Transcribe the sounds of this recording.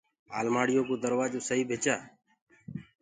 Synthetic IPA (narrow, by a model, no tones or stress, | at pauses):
a̰ːlmaːɽɪjõːkoːd̪əɾʋaːd͡ʒoːsəɦiːbʱeːt͡ʃaː